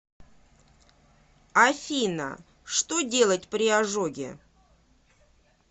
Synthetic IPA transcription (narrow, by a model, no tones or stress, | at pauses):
ɐfʲinə̰ | ʂt̪odʲe̞lˠət̚ʲpɾʲɪaʐoɡʲɪ̰